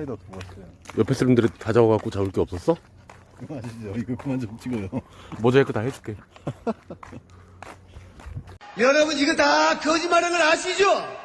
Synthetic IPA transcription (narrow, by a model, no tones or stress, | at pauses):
dtɡaseojʌpʰes͈ʰɯɾndɯɾitad͡ʑawʌɡak͈ot͡ɕauɭk͈eʌp̚s͈ʌs͈ʌ | aɕid͡ʑoiɡʌpunant͡ɕomt͡ɕʰiɡojomʌd͡ʑaɦek͈otahed͡ʑu̥k͈e̞ | jʌɾʌbɯniɡʌtakʌd͡ʑimaɾɯnɯɾaɕʰid͡ʑo